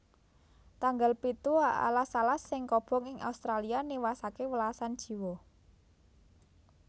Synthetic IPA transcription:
t̪aŋɡalpit̪uaʔa̰lasalasːɪŋkɔb̥ɔ̤ŋɪŋa̰ust̪ɾalianiwasakewəlasand̥ʒ̥i̤wɔ

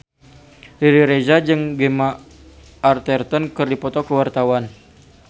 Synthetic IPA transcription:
liɾiɾezad͡ʒɨŋɡemaː | rt̪ɛrt̪ənkɨrdipɔt̪ɔkəwart̪awan

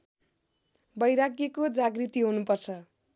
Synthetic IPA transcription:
bʌjɾakjekod͡zaɡrit̪iɦunupʌrt͡sʰʌ

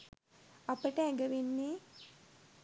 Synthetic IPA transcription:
apəʈəɛɡəʋenːe

